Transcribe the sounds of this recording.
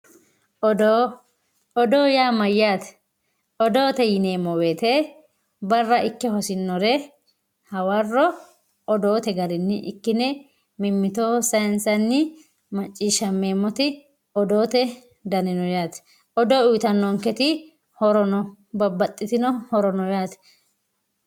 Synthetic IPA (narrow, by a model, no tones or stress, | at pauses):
ɔd̪oː | ɔd̪oːjaːmɐjːaːt̪ɛ̥ | ɔd̪o̞ːt̪ɛjɪneːmːɔweːt̪eː | bɐrːɐʔɪkːɛhɔsɪnːɔɾɛ | hɐwɐrːɔː | d̪o̞ːt̪ɛɡɐɾɪnːɪʔɪkːɪnɛ | mɪmːɪt̪oːsɐnsɐnːɪ | mɐt͡ʃʼːiːʃɐmːe̞ːmːɔt̪ɪ | ɔd̪oːt̪ɛ | d̪ɐnɪnɔjaːt̪ | ɔd̪oːʊjt̪ɐnːɔŋkɛt̪ɪ | hɔɾɔnɔbɐbːɐt̪ʼːɪt̪ɪnɔhɔɾɔnɔjaːt̪ɛ̥